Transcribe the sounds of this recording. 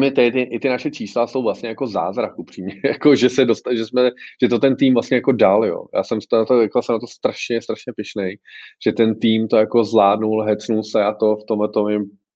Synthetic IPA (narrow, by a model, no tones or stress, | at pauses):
mɪt̪ɛt̪ɪʔɪt̪ɪnaʃɛt͡ʃiːslaso̞wvlast̪ɲɛjako̞za̰ːzɾakʔupr̥iːmɲɛjakoʒɛsɛdost̪aʒɛsmɛʒ̥ɛt̪ot̪ɛnt̪iːmvlast̪ɲɛjako̞daljo̰ːja̰ːsɛmst̪onat̪oɛklasɛmnat̪̬ost̪ɾaʃɲɛst̪ɾaʃɲɛpɪʃnejʒ̥ɛt̪ɛnt̪iːmt̪o̞jako̞zlaːdnulɦɛt͡snulsɛʔat̪o̞ft̪omlɛt̪omɪ